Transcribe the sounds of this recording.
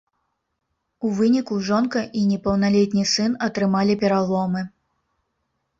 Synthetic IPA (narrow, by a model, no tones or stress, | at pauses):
uvɨnʲikuʐɔnkɐʔinʲɛpɐwnalʲɛt̪ʲnʲisɨnɐt̪ɾɨmalʲipʲɛɾalˠɔmɨ